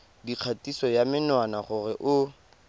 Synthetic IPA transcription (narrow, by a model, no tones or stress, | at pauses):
diq͡χʰatisɔjamɪnwanaχʊrɛʔʊ